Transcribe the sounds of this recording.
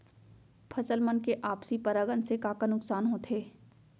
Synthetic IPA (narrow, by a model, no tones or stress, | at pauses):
pʰɐsəlmənkeʔaːpsipɐɾəɡənsekaːkanʊksaːnɦõt̪ʰeː